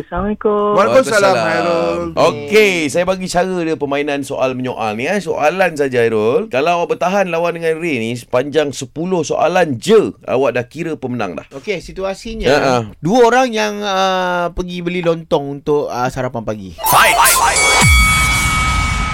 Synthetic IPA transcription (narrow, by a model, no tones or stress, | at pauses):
əsamikomalkosalaaɾolokesajabaɡit͡ʃaɣədəpəmainãnsoʔalməɲoʔa̰lniaso̰ʔalansad͡ʒaajɾolkalawaʔbərt̪aɦanlawandəŋanrenispaɲd͡ʒaŋsəpulʊhso̰ʔa̰land͡ʒəa̰waʔdahkiɾəpəməna̰ŋdla̰hokesit̪uasiɲaəʔə̃duəoɾaŋjaŋəpəɡibəlilɔnt̪ɔŋunt̪ʊʔəsɦaɾapanpaɡḭajajaj